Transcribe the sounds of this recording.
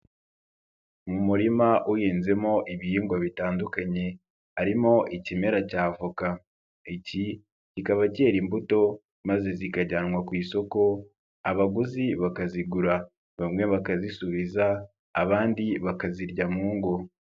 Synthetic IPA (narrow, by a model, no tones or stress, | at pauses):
mumuɾimaʔujeːnze̞mo̞ʔiβijiːŋɡwaβitaːndukaɲe̞ | aɾimo̞ʔicime̞ɾacaːvuka | ici | cikaβace̞ːɾimbuto̞ | maze̞zikaɟanwakwiːso̞ko̞ | aβaɡuziβakaziɡuɾa | βamŋe̞βakazisuβizaː | βaːndiβakaziɾɟamuːŋɡo̞